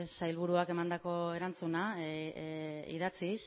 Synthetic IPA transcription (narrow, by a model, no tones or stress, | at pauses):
sajlβuɾuake̞mand̪ako̞e̞ɾant͡suna | ḭðat͡sis